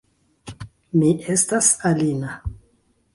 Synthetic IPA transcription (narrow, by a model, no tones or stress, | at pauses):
miʔe̞stasalina